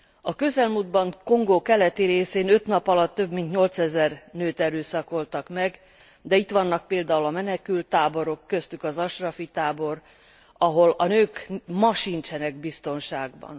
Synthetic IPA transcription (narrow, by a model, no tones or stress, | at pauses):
ɒkø̞zɛlmuːd̪̚bɒŋko̞ŋɡoːkɛlɛt̪iɾeːseːnø̞t̪nɒpɒlɒt̪ːø̞bmint̪ɲo̞lt̪sɛzɛrnøːt̪ɛɾøːsɒko̞lt̪ɒkmɛɡ | d̪ɛit̪ʋɒnːɒk̚peːld̪aːulɒmɛnɛkylt̪ːaːbo̞ɾo̞kːø̞st̪ykɒzɒʃrɒfit̪aːbo̞r | ɒɦo̞lɒnøːkmɒʃint͡ʃɛnɛɡbist̪o̞nʃaːɡbɒ̰n